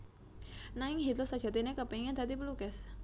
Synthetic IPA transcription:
naɪŋɦit̪ʊsad̥ʒ̥a̤t̪inekəpeŋand̪̥a̤t̪ipəlukɛs

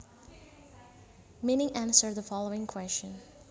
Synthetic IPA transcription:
minɪ̃ŋʔæ̃nsə˞ðəfɑlˠoʊɪ̃ŋkʰw̥ɛst͡ʃə̃n

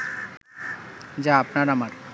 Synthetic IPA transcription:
d͡ʑaapnaɾamaɾ

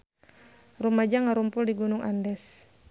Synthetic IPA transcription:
rumad͡ʒaŋaɾumpuldiɡunuŋʔa̰ndɛs

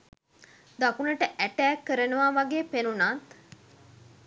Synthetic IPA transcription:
d̪akunəʈəʔæʈæːkːəɾənəʋaːʋaɡeːpenunat̪

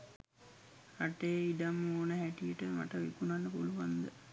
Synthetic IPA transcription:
aʈejidamːoːnəɦæʈijəʈəma̰ʈəʋḭkunanːəpuluʋand̪ə

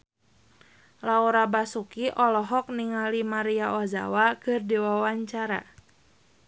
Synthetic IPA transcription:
lauɾabasukiʔɔlɔɦɔk̚niŋalimaɾiaʔɔza̰wakɨrdiwawaɲt͡ʃaɾa̰

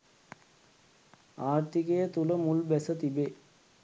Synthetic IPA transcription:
aːrt̪ikejət̪uləmulbɛsət̪ibe

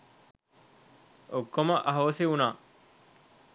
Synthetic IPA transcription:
okːomɐʔɐɦɐʋɐseunaː

